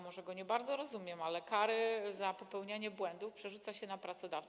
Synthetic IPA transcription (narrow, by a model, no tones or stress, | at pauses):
mɔʐɛɡɔɲɛbaɾd̪zɔɾɔzumʲjɛmalɛkaɾɘzapɔpɛwɲaɲɛbwɛnd̪ufpʂɛʐut̪saɕɛnapɾat̪sɔd̪aft̪